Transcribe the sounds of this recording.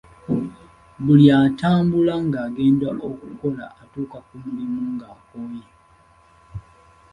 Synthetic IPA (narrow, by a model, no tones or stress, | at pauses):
buljataːmbulaŋɡaːɡeːndaʔokuko̞la̰ʔatuːkakumulimuŋɡaːkoːje